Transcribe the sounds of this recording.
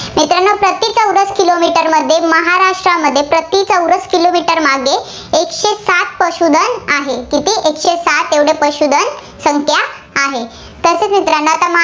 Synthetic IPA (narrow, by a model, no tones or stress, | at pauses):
mit̪ɾanːəpɾət̪it͡səwɾəskilomiʈəɾməd̪ʱːjeməɦaɾaʂʈɾaməd̪ʱːjepɾət̪it͡səwɾəskilomiʈəɾmaɡe | ekɕesat̪̚pəɕud̪ʱənaɦekit̪iʔekɕesat̪eʋɽepəɕud̪ʱən | səŋkʰja | aɦe | t̪əset͡smit̪ɾanːəat̪am